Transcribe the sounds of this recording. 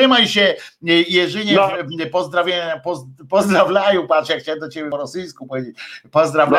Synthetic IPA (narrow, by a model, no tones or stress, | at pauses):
ɪmajɕɛjɛʐɘɲɛpɔzd̪ɾavʲjaapɔpɔzd̪ɾavʲjlajɔpat̪ʂjakxt͡ɕawɛmd̪ɔt͡ɕebʲɪɔɾɔsɘjskupɔvʲjed͡ʑet͡ɕpɔzd̪ɾavʲja